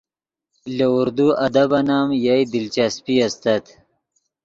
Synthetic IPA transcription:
lauɾd̪uɐd̪abanaːmjajd̪ɪlt͡ʃaspiast̪at̪

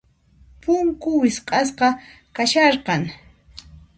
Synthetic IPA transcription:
pʊŋkʊwɪsqʼɑs̬qɑ | kaʃɑɾqɑŋ

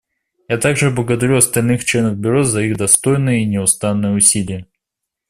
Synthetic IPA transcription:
jat̪aɡʐɨblˠəɡəd̪ɐɾʲuɐst̪ɐlʲnɨxt͡ɕlʲe̞nəvbʲʊɾo̞zɐiɣd̪ɐst̪o̞jnɨjəinʲɪʊst̪anːɨjəʊsʲilʲɪjə

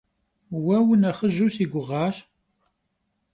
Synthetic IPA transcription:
wæwənæχəʒːusiɡʷəʁːɑʃ

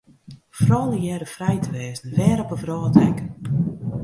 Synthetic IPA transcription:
frɔːlˠəjɛːɾəfrɛjtəʋɛːzdəvɛːɾɔpəfrɔːtɛk

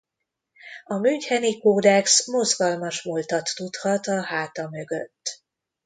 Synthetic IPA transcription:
ɒmyɲchɛnikoːd̪ɛksmo̞zɡɒlmɒʃmolt̪ɒt̪ːut̪hɒt̪ɒhaːt̪ɒmø̞ɡøt̪ː

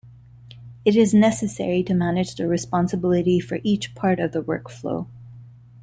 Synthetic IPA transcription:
ɨɾɪznɛsɨsɛ̰ɹiɾɨmænɨd͡ʒðɨɹɨspɑ̃nsəbɪlˠɨɾifə̰˞ʔit͡ʃpʰɑɹɾʌvðəwɜ˞kflo̰ʊ

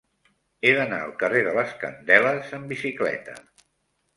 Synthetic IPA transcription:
eðəna̰əlˠkəreðələskə̰nd̪ɛləzəmbisiklɛ̰t̪ə̰

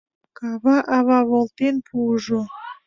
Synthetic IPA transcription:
kɑβɑʔɑβɑβolt̪enpʰuʒo

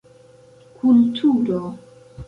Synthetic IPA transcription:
kʰultʰuɾo

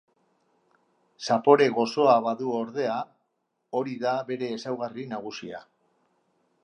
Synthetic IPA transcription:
sapo̞ɾe̞ɣo̞so̞aβaðuo̞ɾðe̞a | o̞ɾiðaβe̞ɾe̞ːsawɣarinaɣ̞usia̰

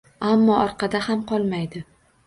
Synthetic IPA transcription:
amːɒɒɾqʰɑd̪ahamqʰɒlˠmajd̪ɪ

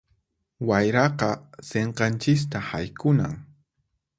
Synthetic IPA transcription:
wajɾɑqɑseɴqɑnt͡ʃɪs̬t̪ahajkʊna̰ŋ

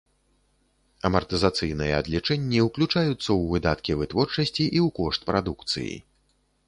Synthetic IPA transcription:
ɐmɐrt̪ɨzat̪sɨjnɨjɛɐd̪lʲit͡ʂɛnʲːiwklʲut͡ʂajut̪sːɐwvɨd̪at̪kʲivɨt̪vɔrt͡ʂɐsʲt͡sʲiʔiwkɔʂt̪̚pɾad̪ukt̪sɨ̰jḭ

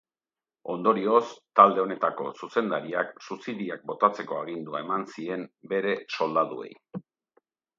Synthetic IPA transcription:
o̞nd̪o̞ɾio̞st̪ald̪e̞o̞ne̞t̪ako̞̰suse̞nd̪aɾiaksusiðiak̚bo̞t̪at͡se̞ko̞aɣ̞ind̪uae̞mansie̞mbe̞ɾe̞so̞ld̪aðue̞̰j

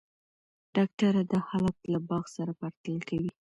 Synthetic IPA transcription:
ɖ̥ɑk̚ʈaɾad̪əxalat̪labɑɣsaɾapaɾt̪ələlkawi

